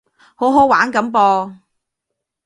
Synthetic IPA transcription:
ho˨˥wɦo˨˥waː˨˥nkɐ˨˥mpɔː˧

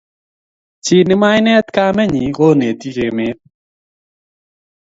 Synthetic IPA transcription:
t͡ʃɪ˨nɪ˦ma˦ɪnɛ˦t̪ka˦mɛ˦ɲi˨ko˦ne˨t̪i˦ke˨mɪ˦t̚

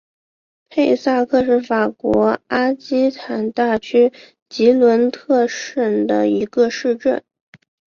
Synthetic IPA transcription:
pʰe˥˧ɪsa˥˧kʰɤ˥˧ʂ̬ɻ̩˥˩fa˨˩kwɔ˧˥a˥t͡ɕi˥t̪ʰa˨˩nt̪a˥˩t͡ɕʰy˥ | t͡ɕi˧˥lwə˧˥nt̪ʰɤ˥˧ʂə˥˩nd̪ə̰˩i˧˥ɡə˧ʂɻ̩˥˧ʈ͡ʂə˥˩n

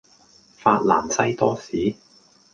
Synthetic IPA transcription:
faː˧t̚la̰ː˨˩nsɐ˥jt̪ɔː˥siː˨˥

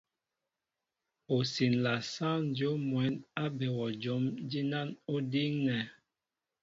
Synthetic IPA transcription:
o˨si˨nla˨sa˦n˦d͡ʒjo˨˦mwɛ˨˦na˦bɛ˨wɔ˨d͡ʒo˨˦md͡ʒi˦na˦no˦di˦ŋnɛ˨

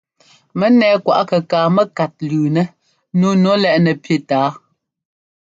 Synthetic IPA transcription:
mɛ˦nɛː˨˦kwa̰˨ʔkə˨kaː˨mɛ˦ka˨t̚lʉː˨nɛ˨ | nu˦nɔ˦lɛ˦˨ʔnɛ˨pji˦˨taː˨˦

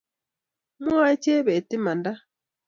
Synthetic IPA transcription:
mu˦a˦ce˦βe˨ti˦ma˨nda˦

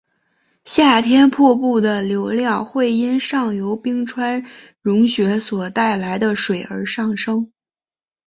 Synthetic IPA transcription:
ɕja˥˩t̪ʰjɛ˥npʰɔ˥˧pu˥˩d̪ə˩ljo˧˥ʊljɑ˥˧ŋxwe˥˩ɪi˥nʂɑ˥˩ŋjo˧˥ʊpi˥ŋʈ͡ʂʰwa˥n | ɻʊ˧˥ŋɕɥɛ˧˥swɔ˨˩t̪a˥˩ɪla˧˥ɪd̪ə˧ʂwe˨˩ɪə̰˞˧˥ʂɑ˥˩ŋʂɤ˥ŋ

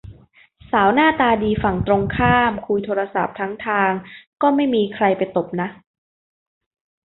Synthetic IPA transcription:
saː˩˦wnaː˥˩t̪aː˧diː˧fa˨˩ŋt̪ɾo˧ŋkʰaː˥˩mkʰuː˧jt̪ʰoː˧ɾa˧sa˨˩p̚t̪ʰa˦˥ŋt̪ʰaː˧ŋkɔː˥˩ma˥˩jmiː˧kʰɾa˧jpa˧jt̪o˨˩p̚na˦˥ʔ

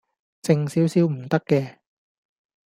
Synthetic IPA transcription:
t͡sɪ˧ŋsiː˨˥wsiː˨˥wm̩˨˩t̪ɐ˥kːɛː˧

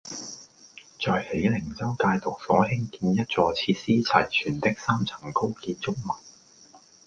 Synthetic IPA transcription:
t͡sɔː˨˧jhe˨˥jlɪ˨˩ŋt͡sɐ˥wkaː˧jt̪ʊ˨k̚fɔː˨˥ɦɪ˥ŋkiː˧njɐ˥t̚t͡sɔː˧t͡sʰiː˧t̚siː˥t͡sʰɐ˨˩jt͡ʃʰyː˨˩nt̪ɪ˥k̚saː˥mt͡sʰɐ̥˨˩ŋko˥wkiː˧nt͡sʊ˥k̚mɐ˨˩n̚

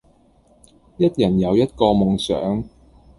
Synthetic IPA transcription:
jɐ˥t̚jɐ˨˩njɐ˨˧wjɐ˥t̚kɔː˧mʊ˨ŋsœ̰ː˨˥ŋ

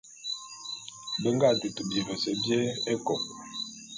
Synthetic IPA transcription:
bə˨ŋ˦ɡa˦˨du˨tu˨bje˨ɣə˨sɛ˨bjɛ˦e˦kɔ˨k̚

